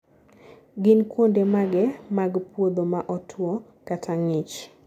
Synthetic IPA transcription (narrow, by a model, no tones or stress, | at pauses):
ɡɪnkwondemaɡɛmaɡpwod̪omaʔɔtʰwo | katʰaŋɪt͡ʃ